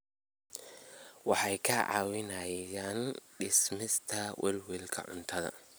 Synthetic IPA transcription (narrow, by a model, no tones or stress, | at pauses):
wɑħɑjkʰɐʕɑ̰ːwɪnɐjjaːnɖɪsmɪst̪ʰɐwʔɛ̰lwilkʰɐ̰ʕʊ̰nt̪ʰɐðɐ̰